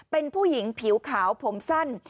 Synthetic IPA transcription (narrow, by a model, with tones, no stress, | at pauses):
pe˧npʰuː˥˩ji˩˦ŋpʰi˩˦wkʰaː˩˦wpʰo˩˦msa˥˩n